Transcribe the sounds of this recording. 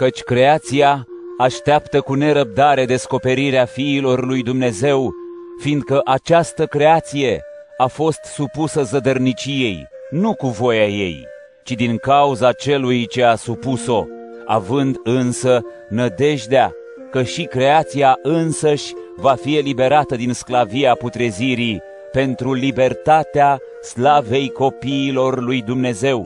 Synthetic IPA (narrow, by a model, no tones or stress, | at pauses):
kət͡ʃʲkɾe̞at̪siaː | ʃt̪eapt̪əkune̞ɾəp̚d̪aɾe̞d̪e̞sko̞pe̞ɾiɾeafiːlo̞rlujd̪umne̞ze̞w | fiːnd̪̚kəʔat͡ʃast̪əkɾe̞at̪sije̞ | afo̞st̪supusəzəd̪ərnit͡ʃije̞j | nukuvo̞jaje̞̰j | t͡ʃid̪iŋkauzat͡ʃe̞lujt͡ʃe̞asupuso̞ | a̰vɨnd̪ɨnsə | nəd̪e̞ʒd̪ea | kəʃikɾe̞at̪siaʔɨnsəʃʲ | vafie̞libe̞ɾat̪əd̪insklaviaput̪ɾe̞ziɾi | pe̞nt̪ɾulibe̞rt̪at̪ea | slave̞jko̞piːlo̞rlujd̪umne̞ze̞w